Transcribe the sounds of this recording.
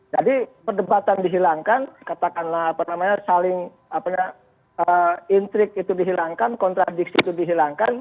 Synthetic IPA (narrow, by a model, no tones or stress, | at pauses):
d͡ʒadipərdəbat̪andiɦilaŋkankat̪akanlahapanamaɲasalɪŋ | apaɲa | əint̪ɾɪk̚it̪udiɦilaŋkankɔnt̪ɾadiksiːt̪udiɦilaŋkan